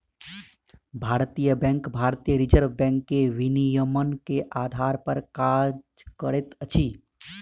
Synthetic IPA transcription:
bʱaːɾt̪ijəbɛ̃ŋkbʱaːɾt̪ijəɾɪd͡ʒəɾʋbɛ̃ːŋkːeʋɪnijəmənkeʔaːd̪ʱaːɾpəɾkaːd͡ʒkəɾet̪ət͡ʃʰiː

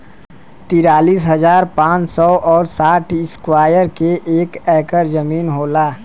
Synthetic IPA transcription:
t̪iːɾaːliːsɦɐzaːɾpãːt͡ʃsɔːʔɔːɾsaːʈʰɪskwaːjəɾkeʔeːkɛːkəɾzəmiːnɦoːlaː

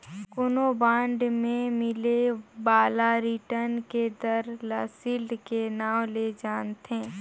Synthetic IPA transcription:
kʊnobãːɳɖmẽmɪlebaːlaɾiʈəɾnked̪əɾlaːsɪld̪kenaːwled͡ʒaːnt̪ẽː

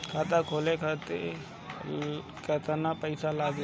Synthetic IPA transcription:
kʰaːt̪̬akʰoːlekʰaːt̪e | kəːt̪anapəɪsalaːɡe

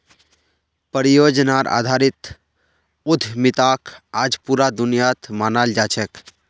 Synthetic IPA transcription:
pəɾijod͡ʒnaɾa̰ːd̪ʱaːɾɪt̪ | ʊd̪ʱmɪt̪akʰaːd͡ʒpuɾad̪ʊnijat̪manald͡ʒat͡ʃʰɛk

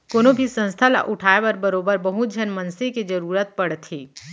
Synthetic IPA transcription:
koːnõbʱisə̃nst̪ʰala̰ʔʊʈʰaːepɐɾbɐɾoːbəɾbɐɦud͡ʒʱənmɐnseked͡ʒɐɾuːɾət̪̚pɐɽt̪ʰiː

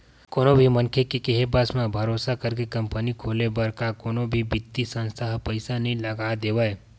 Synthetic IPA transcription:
koːnõbʱimə̃nkʰekikeɦebasmãbʱɐɾoːsakəɾkekɐ̃mpənikʰoːlebɐɾkakoːnõbʱibɪt̪ːisə̃nst̪ʰaɦpəɪsanɐɦĩlɐɡaːd̪eːʋae

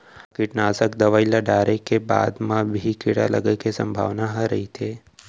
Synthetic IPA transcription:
kɪʈnasəkd̪əʋailaɖajɾekːeba̰d̪mãbʱikɪɽa̰lə̰ɡəkesə̰̃mbʱa̰ʋnaɦəɾəɦit̪ʰe

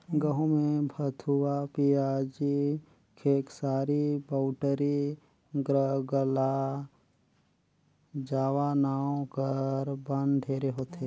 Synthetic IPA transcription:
ɡəɦũmẽbʱət̪ʰuwapiaːd͡ʒi | kʰeːksaːɾibaʊʈəɾi | ɡɾəɡəla | d͡ʒaːʋanaːõkəɾbə̃nd̪d̪ʱeːɾeɦoːt̪e

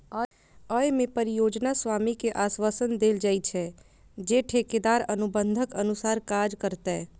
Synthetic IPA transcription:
ə | əjmẽpəɾijoːd͡ʒnaswaːmikeʔaːswaːsənd̪eːld͡ʒaːit͡ʃʰɛ | d͡ʒeʈʰeːked̪aːɾənʊbə̃nd̪ʱəkənʊsaːɾkaːd͡ʒkəɾt̪aɛ

